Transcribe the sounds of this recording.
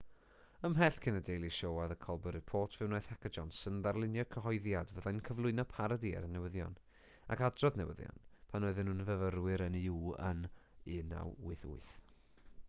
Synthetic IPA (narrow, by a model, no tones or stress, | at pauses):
əmɦɛɬkʰɪnədejlˠiʃowaðəkʰɔlˠbəɾɨ̥pʰoːtʰvɨwnoːjθhɛkəd͡ʒɔnsənðarlˠɪnjɔkʰəɦɔɨðjadvəðajnkʰəvlˠʊɨnɔpʰaɾadḭɾənɛwəðjɔ̰n | a̰kadrɔðnɛwə̰ðjɔ̰npʰanoɨðɨnhunvəvərwɪɾəniuːə̰nɪna̰wʊɨθʊ̰ɨθ